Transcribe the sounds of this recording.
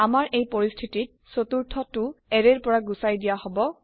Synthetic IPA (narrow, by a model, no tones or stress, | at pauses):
amaɹejpoɹistʰitit̚sotuɹtʰɔtʊɛɹeɹpɔɹaɡusajdijahɔbɔ